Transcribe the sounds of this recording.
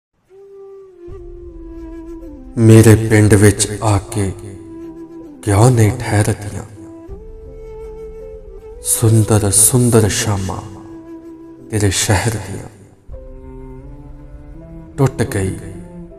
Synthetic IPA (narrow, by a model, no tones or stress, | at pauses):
meːɾepɪ̃ɳɖʋɪt͡ʃaːke | ɡjãːnɐĩʈʰɛːɾd̪ɪjã̰ː | sʊnd̪əɾsʊ̃nd̪əɾʃaːmã̰ː | t̪eːɾeʃɛɦɛɾd̪ɪjã̰ː | ʈʊʈɡɐḭː